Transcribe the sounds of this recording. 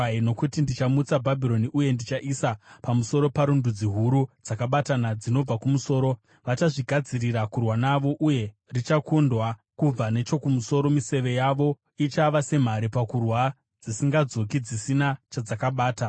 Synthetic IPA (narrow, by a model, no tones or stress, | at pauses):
aino̞kutindit͡ʃamut͡sabʱabʱiɾo̞niʔuje̞ndit͡ʃaʔisapamuso̞ɾo̞paɾundud͡ziɦuɾud͡zakaɓatanad͡zino̞b͡vakumuso̞ːɾo̞ | ʋat͡ʃaʐiɡʱad͡ziɾirakurwanaʋo̞ʔuje̞ | rit͡ʃakundwa | kub͡vane̞t͡ʃo̞kumuso̞ɾo̞mise̞ʋe̞jaʋo̞ | it͡ʃaʋase̞m̤aɾipakurwa | d͡zisiŋɡad͡zo̞kid͡zisinat͡ʃad͡zakaɓaːta